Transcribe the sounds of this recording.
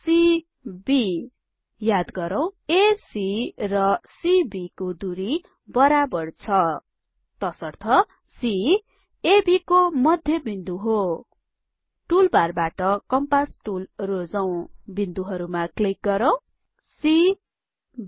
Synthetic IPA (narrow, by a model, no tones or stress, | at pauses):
si | bi | jad̪ɡʌɾaw̃esirʌsibikod̪uɾi | bʌɾabʌrt͡sʰʌ | t̪ʌsʌrt̪ʰʌ | si | ebikomʌd̪ʱjʌbind̪uɦo | ʈulbarbaʈʌkʌmpasʈulrod͡zaw̃bind̪uɦʌɾumaklik̚ɡʌɾaw̃ | si